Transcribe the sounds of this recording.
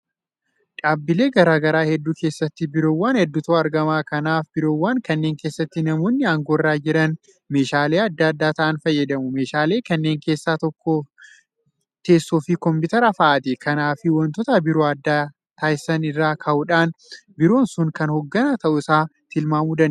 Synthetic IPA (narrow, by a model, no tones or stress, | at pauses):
ᶑaːbːɪle̞ːɡɐɾaːɡɐɾaːhɛd̪ːuːke̞ːsːɐt̪ːɪbɪɾo̞ːwːaːnhɛd̪ːʊt̪oːɐɾɡɐmaːkɐnaːfbɪɾo̞ːwːaːŋkɐnːe̞ːŋke̞ːsːɐt̪ːɪnɐmo̞ːnːɪɐŋɡoːɪrːaːd͡ʒɪɾɐn | me̞ːʃaːle̞ːɐd̪ːaːɐd̪ːaːt̪ɐʔɐnfɐjːɐd̪ɐmʊme̞ːʃaːle̞ːkɐnːeːŋke̞ːsːaːt̪ɔkːɔ | t̪e̞ːsːoːfɪkɔmbɪt̪ɐɾafɐʔɐt̪ɪkɐnaːfɪwɔnt̪ɔt̪ɐbɪɾoːɐd̪ːaː | t̪aːjsɐnɪrːaːkʰɐʔʊᶑaːnbɪɾo̞ːnsʊŋkɐnhɔɡːɐnat̪ɐʔʊɪsaːt̪ɪlmaːmud̪ɐn